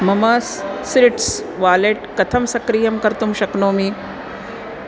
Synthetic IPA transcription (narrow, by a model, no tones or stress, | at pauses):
mɐmaːsːɾɪʈsʋaːleʈkɐt̪ʰɐmsɐkɾijɐmkɐɾt̪umʃɐknoːmiː